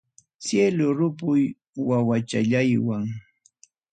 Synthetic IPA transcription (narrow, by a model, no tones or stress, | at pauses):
sjelʊɾʊp̬ʊj | wawat͡ʃa̰ʎajwaŋ